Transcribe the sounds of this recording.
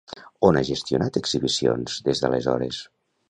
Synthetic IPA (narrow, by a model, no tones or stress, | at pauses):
onaʒest̪junat̪əɡziβisio̰nzðezðə̰lezɔ̰ɾḛs